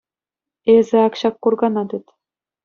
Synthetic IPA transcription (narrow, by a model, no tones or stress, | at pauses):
ezʲɘ̆ɑkɕɑkːurɡɑnɑd̪ʲɘ̆t̪ʲ